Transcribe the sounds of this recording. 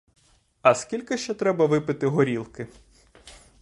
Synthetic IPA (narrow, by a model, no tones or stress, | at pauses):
ɐskʲilʲkɪʃt͡ʃɛt̪ɾɛbɐʋɪpɪt̪ɪɦɔɾʲilˠkɪ